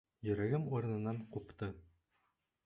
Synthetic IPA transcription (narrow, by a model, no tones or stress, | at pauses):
jɵ̆ɾæɡɘmuɾ̆nɤ̆nːɑɴqupt̪ɤ